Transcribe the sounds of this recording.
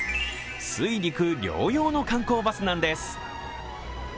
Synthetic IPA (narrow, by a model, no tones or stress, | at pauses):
sɨiɾʲikɯ̟ɾʲjo̞̰ːjo̞ːno̞kãŋko̞ːbasɨnãnd̪e̞sɨ̥